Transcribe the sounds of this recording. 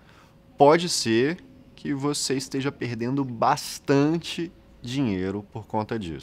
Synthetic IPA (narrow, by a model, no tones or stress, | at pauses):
pɔd͡ʒɪseɾ | kʰɪvoseɪst̪eʒɐpeɾd̪ẽnd̪ʊbast̪ɐ̃t͡ʃɪ | d͡ʒiɲejɾʊpoɾkõnt̪ɐd͡ʒḭsʊ̥